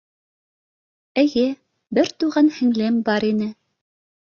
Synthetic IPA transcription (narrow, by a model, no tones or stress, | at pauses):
ɘ̆jɘ | bɘɾt̪uʁɑnhɘ̆ŋlɘmbɑɾinɘ